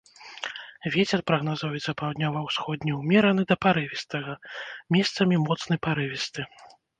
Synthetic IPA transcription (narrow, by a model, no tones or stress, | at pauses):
vʲɛt͡sʲɛrpɾɐɣnazɔvit̪sɐpawd̪ʲnʲavɐwsxɔd̪ʲnʲɛwmʲɛɾɐnɨd̪ɐpaɾɨvʲist̪ɐɣɐmʲɛst̪sɐmʲimɔt̪snɐjpaɾɨvʲist̪ɨ